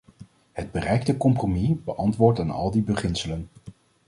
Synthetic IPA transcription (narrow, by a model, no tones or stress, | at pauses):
ɦəd̚bərɛjktəkɔmpromibəʔɑntʋʊːɹtaːnɑ̰lˠdibəχɪnsələn